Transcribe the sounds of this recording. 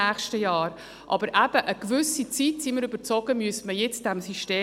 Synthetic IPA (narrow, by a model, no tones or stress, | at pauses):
æːχʃtəjɑːɾ | ʔɑ̰bəɾʔæb̥əʔəkvʏsit͡sitsiməɾyb̥əɾt͡sɔɡəmyəsməjɛt͡sd̥ɛmsyʃteː